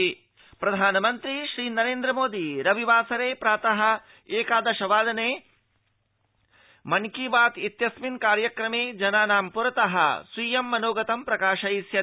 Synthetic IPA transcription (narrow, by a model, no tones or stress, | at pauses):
pɾɐd̪ʱaːnɐmɐnt̪ɾiʃɾiːnɐɾeːnd̪ɾɐmoːd̪iɾɐʋiʋaːsɐɾeːpɾaːt̪ɐɦɐ̆ | eːkaːd̪ɐʃɐʋaːd̪ɐneː | mɐnkibaːt̪it̪jɐsminkaːɾjɐkɾɐmeːd͡ʒɐnaːnaːmpuɾɐt̪ɐɦɐ̰sʋiːjɐmːɐnoːɡɐt̪ɐmpɾɐkaːʃɐisjɐ